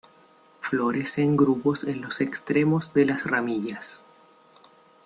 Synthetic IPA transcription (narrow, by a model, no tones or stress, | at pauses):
flo̞ɾe̞se̞ŋɡɾuposenlo̞sekst̪ɾe̞mo̞zðe̞lasramiʎas